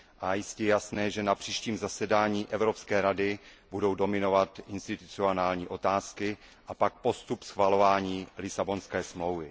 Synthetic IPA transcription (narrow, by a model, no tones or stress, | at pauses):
ʔajɪscɛjɛjasnɛːʒɛnapr̝̥iːʃciːmzasɛdaːɲiːʔɛvɾo̞pskɛːɾadɪbudo̞wdo̞mɪno̞vat̪ʔɪnst̪ɪt̪u̥t͡sɪonaːlɲiːʔo̞t̪aːskɪʔapak̚po̞st̪upsxvalo̞vaːɲiːlɪsabo̞nskɛːsmlo̞wvɪ